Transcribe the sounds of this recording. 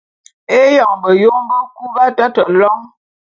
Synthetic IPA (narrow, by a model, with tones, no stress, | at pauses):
e˦jɔ˨ŋbə˨jo˦ŋm˦bə˦ku˦ba˦ta˦tə˨lɔ˦ŋ